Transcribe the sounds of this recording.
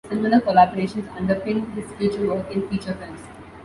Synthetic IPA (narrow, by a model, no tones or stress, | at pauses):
sɪmɪləkolabɔɾeːʃə̃nsɐ̰̃ɳɖəɾpɪ̃ŋdɪsfjuːt͡ʃəʋəːkɪ̃nfiːt͡ʃəɾfɛ̃ːms